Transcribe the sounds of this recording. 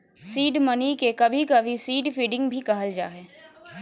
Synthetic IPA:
siːɖmɐnikekɐbʱikɐbʱisiːɖfiːɖɪ̃ŋɡbʱikɐɦəld͡ʒa̰ːɦɛː

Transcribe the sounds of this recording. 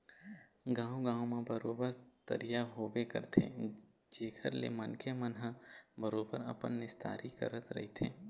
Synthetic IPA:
ɡãːõɡãːwmẽbəɾoːbəɾt̪ə̰ɾijaɦoːbekə̰ɾt̪ʰḛ | d͡ʒeːkʰəɾlḛmənkʰemənɦabəɾoːbəɾɐ̰pənːɪst̪ʰa̰ːɾikə̰ɾət̪ɾɐ̰ɦit̪ʰḛː

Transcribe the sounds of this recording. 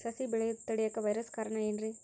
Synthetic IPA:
sɐsibɪɭɐjt̪ːɐɽɪjɐkːɐʋɐɪɾɐskɐɾɐnaɛndri

